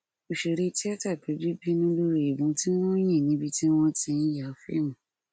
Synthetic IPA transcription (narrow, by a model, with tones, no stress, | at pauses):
o˨ʃe˨ɾe˧ti˦a˦ta˦˨k͡pe˨˦bi˦bi˦nũ˧˦lo˦ɾo˨e˨bũ˨˧˦ti˦w̃ɔ̃˦j̃ɛ̃˦˨nĩ˨˦bi˧ti˦w̃ɔ̃˧ti˧n̩˦ja˨fɛ̰˦nũ˦